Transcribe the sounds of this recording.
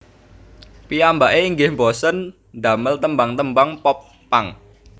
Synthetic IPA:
piambaʔeiŋɡɪhmbɔsən | ɖ̪a̤məlt̪əmbaŋt̪əmbaŋpɔpː | aŋ

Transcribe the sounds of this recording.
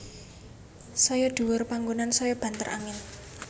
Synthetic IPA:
sɔjɔɖ̪̥uwʊrpaŋɡonansɔjɔb̥ä̤nt̪əɾʔa̰ŋɪn

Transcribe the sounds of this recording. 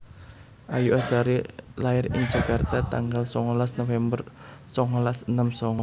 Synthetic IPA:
ʔajuʔɛsaɾilaɪrɪ̰ŋd͡ʒa̤kart̪at̪aŋɡalsɔŋɔlasnofɛmbər | sɔŋɔlasənəmsɔŋɔ

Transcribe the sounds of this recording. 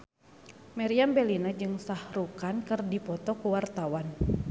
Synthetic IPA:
maɾiambɛlinad͡ʒɨŋsahɾukankɨrdipɔt̪ɔkuwart̪awan

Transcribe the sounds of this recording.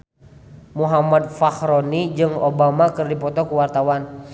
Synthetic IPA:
muɦamad̪̚fahɾɔnid͡ʒɨŋobamakɨrdipɔt̪ɔkuwart̪awan

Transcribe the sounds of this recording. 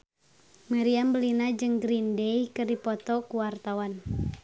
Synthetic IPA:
maɾiambəlinad͡ʒɨŋɡɾindejkərdipɔt̪ɔkuwart̪awan

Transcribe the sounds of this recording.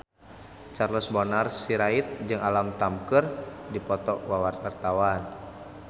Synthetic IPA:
t͡ʃarlɔsbɔnarsiɾait̪̚d͡ʒɨŋalamt̪amkərdipɔt̪ɔʔwawart̪wart̪awan

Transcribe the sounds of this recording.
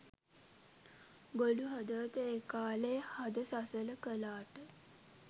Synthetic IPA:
ɡoluɦad̪ət̪əekaːlejhad̪əsasələkəlaːʈə

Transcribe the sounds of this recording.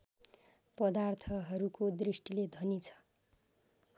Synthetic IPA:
pʌd̪art̪ʰʌɦʌɾukod̪risʈiled̪ʱʌnit͡sʰʌ̥

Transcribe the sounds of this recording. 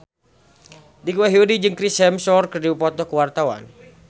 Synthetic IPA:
dikuwaɦiodid͡ʒɨŋkɾisɛmsɔrkərdiwupɔt̪ɔkəwart̪awa̰n

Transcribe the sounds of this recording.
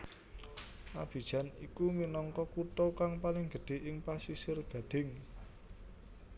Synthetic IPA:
ʔab̥i̤̥ʒ̥a̤nḭkuminɔŋkɔkut̪okaŋpalɪŋɡ̥ə̤ɖ̪̥e̤ʔɪŋpasisɪrɡ̥a̤ɖ̪̥ɪ̤ŋ

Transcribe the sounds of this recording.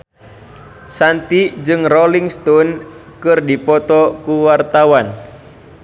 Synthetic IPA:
sant̪id͡ʒɨŋrɔliŋst̪ɔn | kɨrdipɔt̪ɔkuwart̪awan

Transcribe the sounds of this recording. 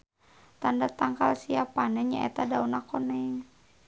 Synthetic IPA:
t̪andat̪aŋkalsiapanɛɲa̰ʔɛ̰t̪adaunakɔnɛŋ

